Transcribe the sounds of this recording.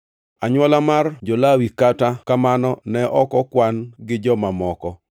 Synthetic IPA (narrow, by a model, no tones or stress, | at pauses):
aɲwɔlamard͡ʒɔlawikatakamanɔnɛʔɔkɔkwanɡɪd͡ʒɔmamɔkɔ